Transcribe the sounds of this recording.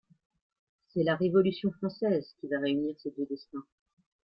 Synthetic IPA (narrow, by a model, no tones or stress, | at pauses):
sɛlaʁevɔlysjɔ̃fχɑ̃sɛzkʲivaʁeyniʁsed̪ød̪ɛst̪ɛ̃